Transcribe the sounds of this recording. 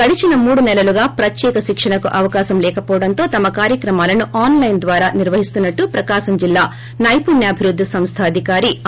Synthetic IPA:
kɐɽit͡ʃinɐmuːɽunɛlɐluɡaːpɾɐt̪jɛːkɐʃikʂɐɳɐkuʔɐʋɐkaːʃɐmlɛːkɐpɔːʋɐɽɐnt̪o̞ːt̪ɐmɐkaːɾjɐkɾɐmaːlɐnuʔaːnlɐjnd̪ʋaːɾaːniɾʋɐɦist̪unːɐʈːupɾɐkaːʃɐmd͡ʒilːaː | nɐjpunjɐːbʱiɾud̪ʱːisɐmst̪ʰɐːd̪ʱikaːɾi

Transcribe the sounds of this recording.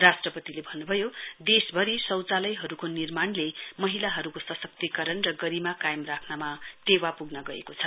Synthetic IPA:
rasʈrʌpʌt̪ilebʱʌnːubʱʌjod̪esbʱʌɾisʌwt͡salʌjɦʌɾukonirmanlemʌɦilaɦʌɾukosʌsʌk̚t̪ikʌɾʌnrʌɡʌɾimakajmrakʰnamat̪ewapuɡnʌɡʌḛkot͡sʰʌ̥

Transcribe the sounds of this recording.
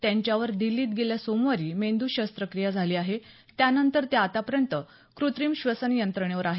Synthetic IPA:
t̪jaɲt͡ɕjaʋəɾd̪ilːiːt̪̚ɡeljasomʋaɾiːmend̪uɕəst̪ɾəkɾijad͡zʱaliːaɦe | t̪janənt̪əɾt̪eat̪apəɾjənt̪ə | kɾut̪ɾimɕʋəsənjənt̪ɾəɳjaʋəɾaɦe

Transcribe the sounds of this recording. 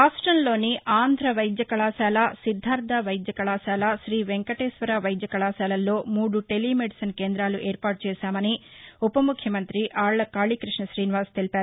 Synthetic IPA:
ɾaːsʈɾɐnlo̞ːniʔaːnd̪ʱɾɐʋɐjd̪jɐkɐɭaːʃaːlasid̪ʱːaːɾt̪ɐʋɐjd̪jɐkɐɭaːʃaːlɐʃɾiːʋeŋkɐʈeːʃʋɐɾaːʋɐjd̪jɐkɐɭaːʃaːlɐlːo̞ːmuːɽuʈeliːmeɖisɐnkeːnd̪ɾaːluʔeːɾpaːʈ̚t͡ʃeːʃaːmɐniupɐmukʰjɐmɐnt̪ɾiʔaːɭɐkaːɭikɾiʂɳɐʃɾiːniʋaːst̪elipaːɾuu

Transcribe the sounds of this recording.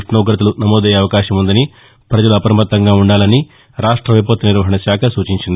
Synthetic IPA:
ʈnɐːɡɾɐt̪̬ulunɐmoːd̪ɛjeɐʋɐkaːʃɐmund̪ɐni | pɾɐd͡ʒɐluɐpɐɾɐmɐt̪ːɐŋɡaːuɳɖaːlɐni | ɾaːʂʈɾɐʋɐjp̬ot̪ːɐniɾʋɐɦɐɳɐʃaːkʰɐsuːt͡ʃiɲt͡ʃind̪i

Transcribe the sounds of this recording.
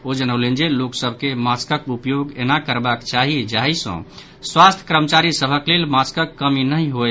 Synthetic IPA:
od͡ʒənəwlend͡ʒeloksəbʱkemaskəkupjoɡḛnakəɾbakt͡ʃaɦid͡ʒaɦisə̰̃ | swast̪ʰjəkɾəmət͡ʃaɾisəbʱəklelmaskəkːəminəjɦo

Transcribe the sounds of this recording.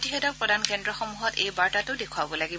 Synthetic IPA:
tixɛtɔkpɹɔdankɛndɹɔxɔmuɦɔtejbaɹtatʊdekʰʊabɔlaɡi

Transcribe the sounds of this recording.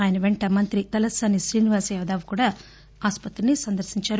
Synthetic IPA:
aːjɐnɐʋeɳʈɐmɐnt̪ɾikɐlɐsɐniʃɾiːniʋaːsɛʋɐd̪aːʋukuːɽaː | aːspɐt̪ɾinisɐnd̪ɐɾsiɲt͡ʃaːɾu

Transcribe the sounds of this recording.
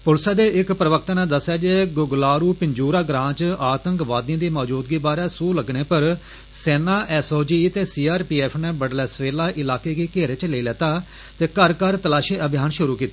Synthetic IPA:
pʊlsaːd̪eːʔɪkpɾəʋəkʰt̪aːnẽːd̪əsːjaːd͡ʒeːɡʊɡlaːɾuːpɪɲd͡ʒuːɾaːɡɾãːt͡ʃaːt̪ə̃ŋkʋaːd̪ĩãːd̪iːmɔːd͡ʒuːd̪ɡiːbaːɾɛːsuːləɡneːpəɾ | seːnaːʔɛːsoːd͡ʒiːt̪eːsiːaːɾpiːɛːpʰnɛːbəɖlɛːsʋeːlaːʔɪlaːkeːɡiːkeːɾet͡ʃleiːlɛːt̪aː | t̪eːkəɾkəɾt̪əlaːʃiːəbʱjaːnʃʊɾuːkiːt̪eː

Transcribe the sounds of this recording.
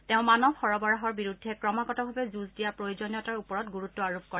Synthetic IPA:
tẽʊ̃manɔbxɔɹɔbɔɹaɦɔɹbiɹudʱːɛkɹɔmakɔtɔbʱabɛzuzdijapɹojozɔnjɔtaɹupɔɹɔtɡuɹutːɔaɹop̚kɔɹɛ

